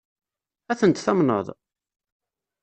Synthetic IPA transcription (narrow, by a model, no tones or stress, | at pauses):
æθənt̪θæmnə̰ðˤ